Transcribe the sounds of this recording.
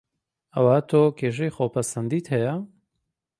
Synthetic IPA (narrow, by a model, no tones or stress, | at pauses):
ɐwat̪ʰoːkʰeːʃ̬ejχowpʰɐsɐnd̪iːt̪hɛjɐ